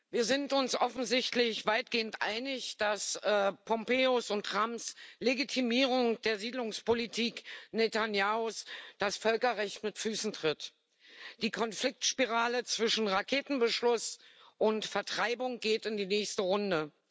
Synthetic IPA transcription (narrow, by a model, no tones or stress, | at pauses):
viːɐzɪntʊnsʔɔfn̩zɪçtlɪçv̥aɪt̚ɡ̥eːəntʔa̰ɪnɪçd̥asɛpʰɔmpeːʊsʊntʁamsleɡitʰimiːʁ̞ʊŋd̥eːɐziːdlʊŋspolitʰiːknetanjaːosd̥asfœlkɐʁɛçtmɪtfyːsn̩tʁ̥ɪt | d̥iːkʰɔnflɪk̚tʃpiʁaːlət͡sv̥ɪʃn̩ʁakʰeːtn̩bəʃlʊsʔʊntfɛɐtʁ̥aɪbʊŋɡ̥eːtɪndiːnɛːçstəʁʊndə